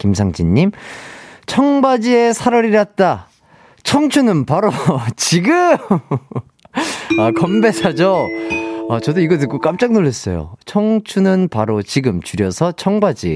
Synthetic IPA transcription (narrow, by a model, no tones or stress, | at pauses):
kimsʰaŋd͡ʑiɲːim | t͡ɕʰʌŋbad͡ʑie̞sʰaɾʌɾiɾat̚t͈a | t͡ɕʰʌŋt͡ɕʰunɯnpaɾot͡ɕiɡɯm | akʌmbe̞sʰad͡ʑo | at͡ɕʌdoiɡʌdɯk͈ok͈amt͡ɕ͈ak̚noɭːʌs͈ʌjo̰t͡ɕʰʌŋt͡ɕʰunɯnpaɾot͡ɕiɡɯmt͡ɕuɾjʌsʰʌt͡ɕʰʌŋbad͡ʑḭ